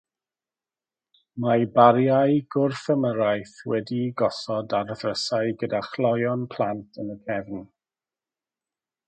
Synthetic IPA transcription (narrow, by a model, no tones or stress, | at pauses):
majbaɾjajɡ̥ʊrfəməɾajθwɛdiɡɔsɔdarðrəsaɨɡədaχlˠɔjɔnpʰl̥ˠantʰənəkʰɛvn